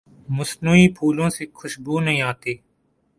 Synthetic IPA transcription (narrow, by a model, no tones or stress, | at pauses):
mʊsnuːiːpʰuːlõːseːkʰʊʃbuːnəɦĩːaːt̪eː